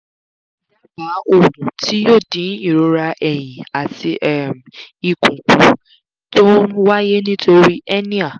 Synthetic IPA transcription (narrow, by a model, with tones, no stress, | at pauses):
a˦ba˨˦o˨nũ˨tʰi˦o˦˨dĩ˨˦n˦ĩ˦˨ɾo˨˧ɾa˧ʔɛ˨j̃ĩ˨a˨ti˧ʔɛ˦˨m˨i˨kũ˨kũ˧˦ | tõ˦wa˦je˦nĩ˦to˧ɾi˦ʔɛ˦nĩ˦a˦˨